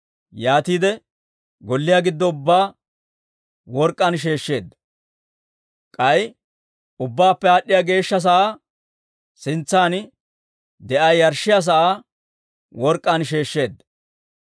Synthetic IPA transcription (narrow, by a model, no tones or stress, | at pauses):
jaːt̪iːd̪ɛ | ɡɔlːɪjaɡɪd̪ːɔʊbːaː | wɔɾkʼːɐnʃ̬e̞ːʃːe̞ːd̪ːɐ | kʼɐj | ʊbːaːpːɛaːɗːɪjaɡe̞ːʃːɐs̬ɐʔaː | sɪnt͡sːaːn | d̪ɛʔɐjjɐɾʃːɪjas̬ɐʔaː | wɔɾkʼːɐnʃ̬e̞ːʃːe̞ːd̪ːɐ